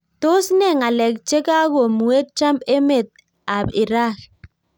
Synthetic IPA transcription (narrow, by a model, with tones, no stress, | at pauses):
to˦snɛ˦˨ŋa˨lɛ˨k̚t͡ʃe˦ka˦ɣo˨mu˨e˦k̚t͡ʃa˦mbe˦me˦˨t̪̚ | a˨bi˨ɾa˦k